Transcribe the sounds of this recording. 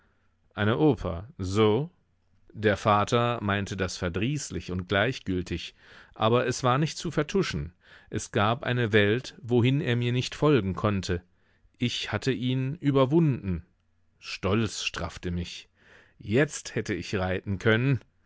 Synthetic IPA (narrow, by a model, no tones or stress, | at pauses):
ʔaɪnəʔoːpʰɐ̰zoː | deːɐfaːtʰɐmaɪntʰədasfɛɐdʁiːslɪçʊntɡ̥laɪçɡ̥ʏltʰɪç | ʔaːbɐʔɛsv̥aːɐnɪçt̚t͡sufɛɐtʰʊʃn̩ | ʔɛsɡ̥aːpʔa̰ɪnəvɛltvoɦɪneːɐmiːɐnɪçtfɔlɡŋ̩kʰɔntʰə | ʔɪçhatʰəʔiːnʔyːbɐvʊndn̩ | ʃtɔlt͡sʃtʁ̥a̰ftəmɪç | jɛt͡sthɛtəɪçʁaɪtn̩kʰœnən